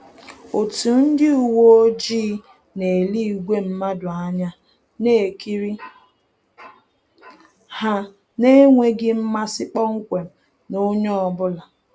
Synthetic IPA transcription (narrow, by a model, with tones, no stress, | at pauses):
o˨tu˨n̩˦dɪ˦u˨wo˦o˦d͡ʒi˦ | ne˨li˦i˨ɡʷe˦m̩˦ma˦dʊ˨a˦ɲa˦ | ne˦˨ki˦ɾi˦ | ha˦ | ne˦ŋʷe˦ɡɪ˦m̩˦ma˦sɪ˦k͡pɔ˦ŋ̩˦kʷe˨m̩˨ | no˦ɲe˦ɔ˨bʊ˦la˨